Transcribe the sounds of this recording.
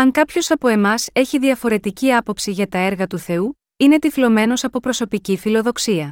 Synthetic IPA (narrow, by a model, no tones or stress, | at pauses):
ɐŋkɐpço̞sɐpo̞e̞mɐse̞çiðiɐfo̞ɾe̞t̪iciɐpo̞psiʝɐt̪ɐeɾɣɐt̪uθe̞u | ine̞t̪iflo̞me̞no̞sɐpo̞pɾo̞so̞picifilo̞ðo̞ksiɐ